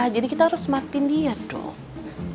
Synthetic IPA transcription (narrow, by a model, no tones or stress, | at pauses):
hd͡ʒadikit̪ahaɾʊsmat̪indiadɔ̰